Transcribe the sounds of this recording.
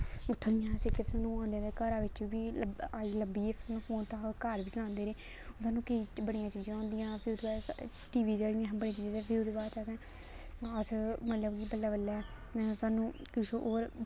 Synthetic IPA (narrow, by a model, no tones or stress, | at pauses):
ʊt̪ʰːãːd̪ɪjãːsekepsaːnũːãːnd̪ẽekəɾaːʋɪt͡ʃːbiːaːiləmbiːesaːnũːpoːnt̪ãːkəɾʋiːt͡ʃəlãːnd̪eːɾeː | saːnũːkəiːbəɽijãːt͡ʃiːd͡ʒãːãːnd̪ijãːpʰɪɾʊd̪baː | ʈiːʋiːd͡ʒaɽɪjãːbəɽẽːt͡ʃiːd͡ʒãɛ̃ːpʰɪɾʊd̪baːt͡ʃaːsɛ̃ː | əsmət̪ləbkibəlːaːbəlːɛː | saːnũːkɪʃoʔoːɾ